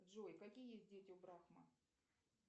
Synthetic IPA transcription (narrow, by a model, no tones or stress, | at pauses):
ʐojkɐkʲijəjesʲt̚ʲdʲetʲɪʊbɾaxmə